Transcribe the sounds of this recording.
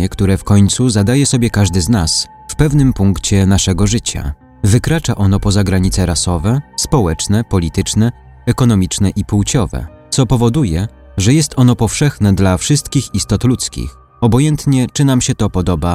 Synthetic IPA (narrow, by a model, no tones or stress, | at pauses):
ɛkt̪uɾɛfkɔɲt̪suzad̪ajɛsɔbʲjɛkaʐd̪ɘznas | fpɛvnɘmpuŋkt͡ɕɛnaʂɛɡɔʐɘt͡ɕa̰ | vɘkɾat͡ʂaʔɔnɔpɔzaɡɾaɲit̪sɛɾasɔvɛspɔwɛt͡ʂnɛpɔlʲit̪ɘt͡ʂnɛ | ɛkɔnɔmʲit͡ʂnɛʔipuwt͡ɕɔvɛ̰ | t̪sɔpɔvɔd̪ujɛ | ʐɛjɛst̪ʰɔnɔpɔfʂɛxnɛd̪lafʂɘst̪kʲixist̪ɔt̪lut̪skʲḭx | ɔbɔjɛnt̪ɲɛt͡ʂɘnamɕɛt̪ɔpɔd̪ɔba